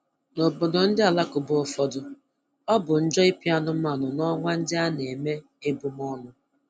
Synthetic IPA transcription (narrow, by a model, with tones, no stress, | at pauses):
no˨bʊ˨dɔ˨n̩˦dɪ˦a˨la˦kʊ˨bʊ˦ɔ˨fɔ˦dʊ˨ | ɔ˦bʊ˨n̩˦d͡ʒɔ˦i˦pi˦a˦nʊ˦m̩˦a˨nʊ˨nɔ˦ŋʷa˦n̩˦dɪ˦a˦n˨e˨me˦ | e˦bu˨m˦ɔ˦nʊ˨